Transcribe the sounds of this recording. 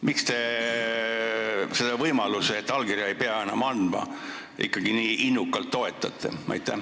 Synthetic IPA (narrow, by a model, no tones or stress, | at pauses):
mʔikst̪e̞ | se̞d̪ɑvɤjmɑluseet̪ːɑlkiɾjɑejpeɑe̞nːɑmɑnd̪̥mɑ̰ | ʔḭkːˑɑɡiniːʔinːukːˑɑlt̪ːo̞e̞t̪ːˑɑt̪ːˑe̞̰ɑ̰jt̪ːˑæh